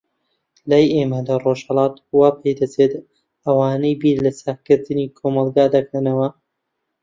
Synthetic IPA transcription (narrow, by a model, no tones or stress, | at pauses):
laːjeːmɐd̪aːroʒhɐlˠɑːt̪waːpʰejd̪ɐt͡seːt̪ | ɐwɑːnejbiːɾlɐsakɨɾd̪ɨniːkʰoːmɐlˠɡaːd̪ɐkʰɐnɐwɐ